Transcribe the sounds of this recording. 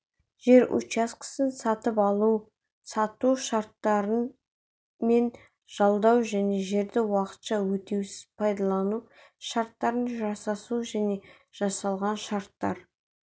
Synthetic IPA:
ʒ̥e̞ɾʔṵt͡ʃɑsqə̥sənsɑt̪əpɑlˠu | sɑt̪uʃɑɾt̪ːɑɾə | me̞n | ʒ̥ɑlˠd̪ɑwʒæne̞ʒe̞ɾd̪ɪwɑqə̥t̪ʃɑwɵt̪ewsɪz̥pʰɑjd̪ɑlˠɑnu | ʃɑɾt̪ːɑɾənʒɑsɑsuʒæne̞ | ʒ̥ɑsɑlˠʁɑnʃɑɾt̪ːɑ̰ɾ

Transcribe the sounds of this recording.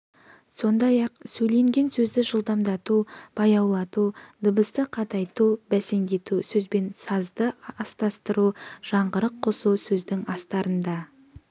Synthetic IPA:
so̞nd̪ɑjɑqsɵjle̞ŋɡʲe̞nsɵzd̪ɪʒəlˠd̪ɑmd̪ɑt̪ub̥ɑjɑwlˠɑt̪ud̪əbəst̪əqʰɑt̪ɑjt̪ubæse̞nd̪e̞t̪usɵzbe̞nsɑzd̪əɑst̪ɑst̪əɾuʒ̥ɑɴʁəɾəqʰːosusɵzd̪ɪŋɑst̪ɑɾənd̪ɑ

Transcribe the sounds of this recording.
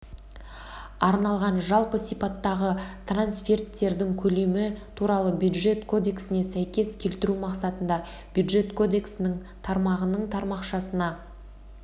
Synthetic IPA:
ɑɾnɑlˠʁɑnʒɑlˠpəsijpɑt̪ːɑʁət̪ʰransfe̞rt̪ːe̞ɾd̪ɪŋkʲʰɵle̞mɪt̪ʰuɾɑlˠəbjud̪ʒe̞t̪kʰo̞d̪e̞ksɪne̞sæjkʲe̞skʲʰe̞lt̪ɪɾumɑqsɑt̪ənd̪ɑ | b̥jud̪ʒe̞t̪kʰo̞d̪e̞ksɪnɪŋ | t̪ʰɑɾmɑʁənəɴt̪ʰɑɾmɑqʃɑsənɑ

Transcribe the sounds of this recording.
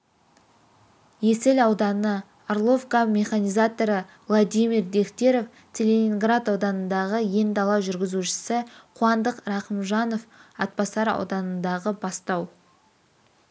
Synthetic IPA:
jeselɑwd̪ɑnə | arlˠo̞fkamʲe̞χanʲijzat̪o̞ɾəvlˠad̪ʲijmʲiɾd̪e̞kt̪ʲe̞ɾo̞f | t͡sʲelʲe̞nʲiŋɡrat̪ɑwd̪ɑnənd̪ɑʁəje̞nd̪ɑlˠɑʒʏɾɡʲɪzuʃɪ̥sɪqʰuɑnd̪əqɾɑqəmʒɑno̞fɑt̪̚pɑsɑɾɑ̰wd̪ɑnənd̪ɑʁəbɑst̪ɑw

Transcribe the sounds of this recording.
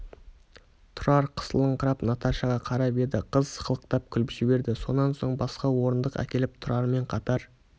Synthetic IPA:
t̪ʰʊɾɑɾqʰə̥slˠəɴqʰəɾɑpnɑt̪ɑʃɑʁɑqʰɑɾɑbe̞d̪ɪqʰəzsqəlˠəq̚t̪ɑp̚kʲʰʏlpʒ̥ɪbe̞ɾd̪ɪso̞nːɑnso̞ɴbɑsqɑwo̞ɾənd̪əqæ̰kʲe̞lɪp̚t̪ʰʊɾɑɾme̞ɴqʰɑt̪ɑɾ

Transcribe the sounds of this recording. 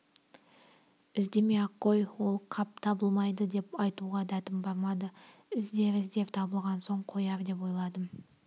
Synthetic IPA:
ɪzd̪e̞meɑqːo̞jwo̞lˠqʰɑp̚t̪ʰɑbəlˠmɑjd̪əd̪e̞pɑjt̪uʁɑd̪æt̪ɪmbɑɾmɑd̪əɪzd̪e̞vɪzd̪e̞vt̪ʰɑbəlˠʁɑnso̞ɴqʰo̞jɑɾd̪e̞p̬wo̞jlˠɑd̪ə

